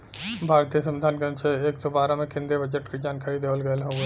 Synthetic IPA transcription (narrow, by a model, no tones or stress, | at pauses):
bʱaːɾt̪ijəsɐ̃mʋɪd̪ʱaːnkɐ̃nʃʰeeːksɔbaːɾãmẽkʰɪ̃nd̪ebɐd͡ʒəʈkid͡ʒaːnkaːɾid̪eːʋəlɡɐlɦoːɡe